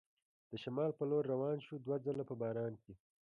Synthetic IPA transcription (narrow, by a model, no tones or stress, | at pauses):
d̪̥əʃamɑːlpəloɾːawɑːnʃud̪wad͡zəlapəbɑːɾɑːnke